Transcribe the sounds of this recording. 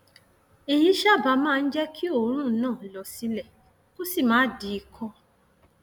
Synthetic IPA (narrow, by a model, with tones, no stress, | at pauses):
e˨j̃ĩ˧ʃa˦˨ba˨˦mãː˦˧n̩˦d͡ʒɛ˦kʰi˦o˦˨˦ɾ̃ũ˦nãː˦˨lɔ˨si˨˧˦lɛ˨ | ko˦si˦˨mãː˨˦di˨˦i˧˨kʰɔ˧